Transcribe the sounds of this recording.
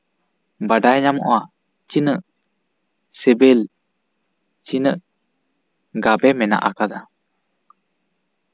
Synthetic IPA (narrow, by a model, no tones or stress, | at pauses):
baɖajɲamɔʔwa | t͡ʃinəʔ | sɛbɛl | t͡ʃinəʔ | ɡabɛmɛna̰ʔakad̪a